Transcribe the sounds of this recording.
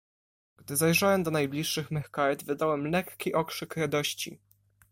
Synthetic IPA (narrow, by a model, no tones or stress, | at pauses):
ɡ̥d̪ɘzajʐawɛmd̪ɔnajblʲiʂːɘxmɛxkaɾɛd̪vɘd̪awɛmlɛkkʲiʔɔkʂɘkɾad̪ɔɕt͡ɕḭ